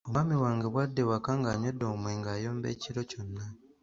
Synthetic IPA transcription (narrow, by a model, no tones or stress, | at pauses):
oamiwaːŋɡeβwadːe̞wakːaŋɡaːɲo̞dːo̞ːmweːŋɡaːjo̞ːmbe̞̰ːciɾo̞co̞nːa